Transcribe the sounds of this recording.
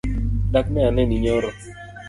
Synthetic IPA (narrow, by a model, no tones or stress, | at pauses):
dak̚nɛanɛniɲɔɾɔ